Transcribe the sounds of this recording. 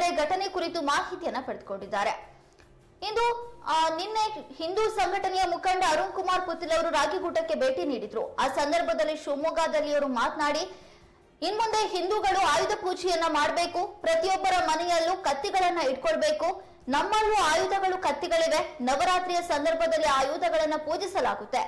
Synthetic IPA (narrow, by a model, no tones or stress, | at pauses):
ɾeɡʱɐʈɐnekuɾit̪umaːɦit̪ijɐnːɐpɐɽed̪̚koɳɖid̪ːaːɾe̞ | ind̪uninːe̞hind̪uːsɐŋɡʱɐʈɐnɛjɐmukʰɐɳɖɐɐɾumkumaːɾput̪ːilɐʋɐɾuɾaːɡiɡuːʈɐkːe̞be̞ːʈiniːɽid̪ɾṵaːsɐnd̪ɐɾbʱɐd̪ɐlːiʃumuːɡaːd̪ɐlːijɐʋɾumaːt̪naːɽi | inmund̪e̞ɦind̪uːɡɐɭuaːjud̪ɐpuːd͡ʒɛjɐnːɐmaːɽɐbe̞ːkupɾɐt̪ijɔbːɐɾɐmɐnɛjɐlːukɐt̪ːiɡɐɭɐnːɐiʈ̚koɭɐbeːku | nɐmːɐlːuaːjud̪ɐɡɐɭukɐt̪ːiɡɐɭiʋe̞nɐʋɐɾaːt̪ɾijɐsɐnd̪ɐɾbʱɐd̪ɐlːiaːjuːd̪ɐɡɐɭɐnːɐpuːd͡ʒisɐla̰ːɡut̪ːe̞